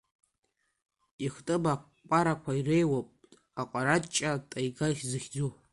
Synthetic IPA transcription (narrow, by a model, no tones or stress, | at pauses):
iχtʼɨba | kʷʼaɾakʷʰairejwapʼ | aqʷʼaɾatt͡ʃʼatʼajɡaχʲzɨχʲd͡zu